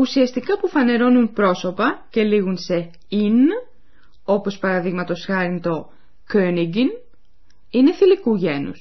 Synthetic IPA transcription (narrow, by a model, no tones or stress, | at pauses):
usiɐst̪ikɐpufɐne̞ɾo̞nunpɾo̞so̞pɐce̞liɣunse̞ | in | o̞po̞spɐɾɐðiɣmɐt̪o̞sxɐɾint̪o̞ | køniɡin | ine̞θilikuʝe̞nṵs